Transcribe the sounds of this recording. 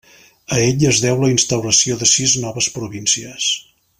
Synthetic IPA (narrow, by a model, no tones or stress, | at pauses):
əeʎəzðɛwləinst̪əwɾəsioðəsiznɔβəspɾuβinsiəs